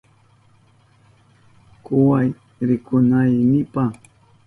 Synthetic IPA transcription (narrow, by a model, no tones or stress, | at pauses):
kʊwaj | ɾɪkʊnajnɪpa